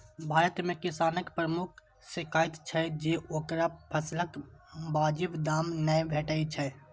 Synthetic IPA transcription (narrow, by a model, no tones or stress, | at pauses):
bʱaːɾət̪mẽkɪsaːnəkpɾəmʊkʰ | sɪkaːɪt̪t͡ʃʰɛd͡ʒeːʔoːkɾapʰəsləkbaːd͡ʒɪbd̪aːmnəbʱeːʈəit͡ʃʰɛ